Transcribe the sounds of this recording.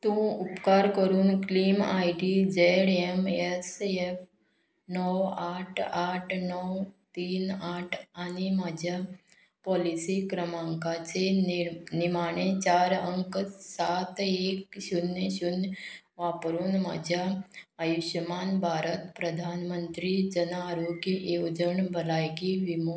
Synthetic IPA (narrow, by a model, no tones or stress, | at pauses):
t̪ũupkaɾkəɾuːnkliːma̰jɖid͡ʒeɽemesef | nɔaʈʰaʈʰnɔwt̪iːnaʈʰanimaːd͡ʑʱa | pɔlisikɾəmaŋkat͡ɕenɪmaːɳ̃et͡ʃaːɾəŋksat̪eːkʃʊnəʃʊn | ʋaːpɾuːnma̰ːd͡ʒaːjuʃəmaːnbʱaːɾət̪pɾəd̪ʱaːnmənt̪ɾid͡ʒənaɾuɡiʔod͡ʒəɳbʱəlaːjɡiʋim